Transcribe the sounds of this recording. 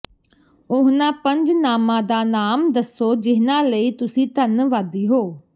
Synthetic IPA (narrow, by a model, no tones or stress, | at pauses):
ʊɦnãːpə̃ɲd͡ʒnaːmãːd̪aːnaːmd̪əsoːd͡ʒɪɦnãːləiːt̪ʊsĩːt̪ənʋaːd̪iːɦoː